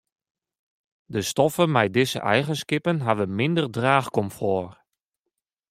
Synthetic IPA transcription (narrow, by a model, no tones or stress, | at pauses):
dəstɔfənmɛjdɪzə̰ʔɛjχənskɪpənɦavənmɪndərdraːxkɔmfɔːr